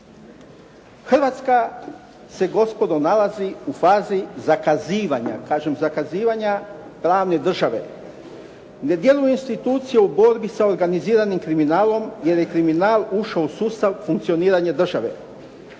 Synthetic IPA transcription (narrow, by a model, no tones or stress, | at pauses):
xr̩ʋat̪ska | se̞ɡo̞spo̞d̪onalaziufaːzizakaziːʋaɲa̰kaːʒemzakaziːʋaɲa | pɾaːʋne̞d̪r̩ʒaʋe̞̰ | ne̞d̪je̞lujeinst̪it̪uːt̪sijeubo̞ɾbisaoɾɡaniziːɾanimkɾiminaːlo̞mje̞ɾje̞kɾiminaːlˠuʃausuːst̪aʋfuŋkt̪sio̞niːɾaɲad̪r̩ʒaʋe̞̰